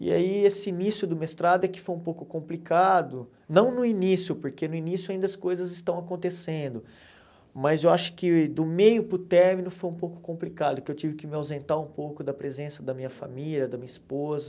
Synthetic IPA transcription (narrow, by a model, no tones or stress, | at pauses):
ḭa̰iesɪinisjʊd̪ʊmest̪ɾad̪ʊɛkɪ̥fojũpowkʊkõmplikad̪ʊ | nɐ̃w̃nʊinisjʊpoɾkenʊinisjʊaĩnd̪ɐskojzɐzɪst̪ɐ̃w̃akõnt̪esẽnd̪ʊ | mɐzewaʃʊ̥kɪd̪ʊmejʊpɾʊt̪ɛɾmĩnʊfojũpowkʊ̥kõmplikad̪ʊkɪewt͡ʃivɪkɪmɪawzẽnt̪aɾũpowkʊd̪ɐpɾezẽsɐd̪ɐmĩɲɐfa̰milʲɐd̪ɐmĩɲɐispozɐ